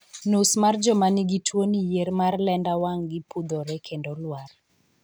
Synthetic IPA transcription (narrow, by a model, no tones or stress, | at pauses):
nusmard͡ʒɔmaniɡitʰwonijeɾmarlɛndawaŋɡipud̪oɾɛkʰendolwar